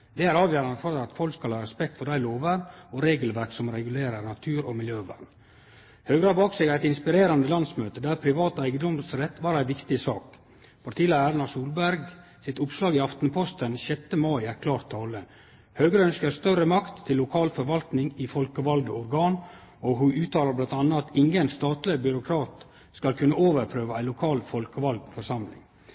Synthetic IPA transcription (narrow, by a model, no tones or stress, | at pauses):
d̪̥ɛːæɾɑːʋjøːɾɑnd̪əfɔɾɪɑt̪fɔlkskɑlhɑːɾɛspɛkt̪fɔɾɖæɪloːʋəɾɔɾeːɡəlʋæɾksɔmɾɛɡʉleːɾəɾnɑt̪ʰʉːɾɔmɪljøːʋæ̰d̪n̩ | høːɡɾɑːbɑːksɛɡæɪt̪ɪnspɪɾeːɾɑnd̪əlɑnsmøːt̪əd̪æɾpʰɾɪʋɑːt̪ːæɪɡəd̪ɔmsɾɛt̪ːʋɑːɾæɪʋɪkt̪ɪsɑːk | fɔɾt̪ʰiːlæɡæːɾnɑsuːlbæɾɡ | sɪt̪ʊpslɑːɡɪɑft̪n̩pʰɔst̪ənɕɛt̪ːəmɑɪækʰlɑːɾt̪ʰːɑːlə | høːɡəɾəœnskəɾst̪œrəmɑkt̪ʰːɪlːʊkʰɑːlfɔɾʋɑlt̪nɪŋɪfɔlkəʋɑld̪əɔɾɡɑːn | ɔɦʉʉːt̪ʰɑːləblɑnt̪ɑnːəɑt̪ɪŋɡənst̪ɑːt̪ləbʏɾʊkʰɾɑːt̪ | skɑlkʰʉnːəoːʋəɾpʰɾøːʋəæɪlʊkʰɑːlfɔlkəʋɑld̪fɔɾʂɑmlɪ̰ŋ